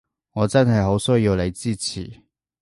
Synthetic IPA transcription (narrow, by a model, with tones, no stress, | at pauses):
ŋɔː˨˧˥t͡sɐ˥nɦɐ˨jɦo˨˥wsɵ˥jiː˧wle˨˧jt͡siː˥t͡sʰḭː˨˩